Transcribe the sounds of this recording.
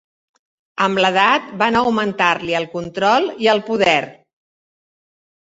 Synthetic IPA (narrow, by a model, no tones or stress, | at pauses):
əmləð̞at̪̚banəwmənt̪arliəlˠkunt̪ɾɔlˠiəlˠpuðɛr